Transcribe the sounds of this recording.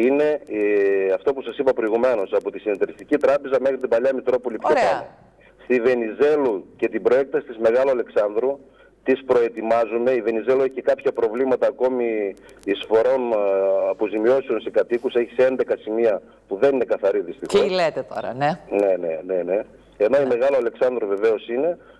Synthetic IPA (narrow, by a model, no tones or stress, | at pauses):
ine̞ | ɐft̪o̞pusɐsipɐpɾo̞iɣume̞no̞sɐpot̪isinit̪eɾist̪icit̪ɾɐpe̞zɐme̞xɾit̪ibɐʎɐmit̪ɾo̞po̞lipçoɐo̰ | st̪ive̞nize̞luce̞t̪ibɾoe̞k̚t̪ɐsi̥t̪izme̞ɣɐloɐleksɐnðɾu | t̪ispɾo̞e̞t̪imɐzume̞ive̞nize̞lue̞çi̥cekɐpçɐpɾo̞vlimɐt̪ɐːko̞mi | isfo̞ɾo̞nɐpozimio̞sio̞nse̞kɐt̪ikuse̞çi̥see̞nd̪e̞kɐsimiɐ | puðe̞nine̞kɐθɐɾiðist̪ixoslet̪et̪oɾɐnene̞nene̞ne̞ | eno̞ime̞ɣɐloɐle̞ksɐnd̪ɾuve̞ve̞o̞sine̞